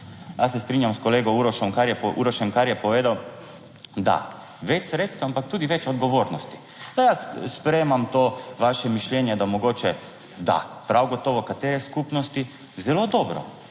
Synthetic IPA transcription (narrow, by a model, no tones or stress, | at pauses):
jasɛst̪ɾinjamskɔleːɡɔuɾɔʃɔmkaɾjɛpʔṵɾɔʃɛmkaɾjɛpɔʋeːd̪aw | d̪a̰ | ʋɛt͡ʃsɾeːt̪st̪ʋaampak̚t̪uːd̪iʋɛt͡ʃɔd̪ɡɔʋoːɾnɔst̪i̥ | d̪ajasspɾɛjmamt̪oːʋaʃɛmiʃljɛnjɛd̪amɔɡoːt͡ʃɛ | d̪a̰pɾawɡɔt̪oːʋɔkat̪eːɾɛskupnɔst̪i | zɛlod̪ɔːbɾɔ̰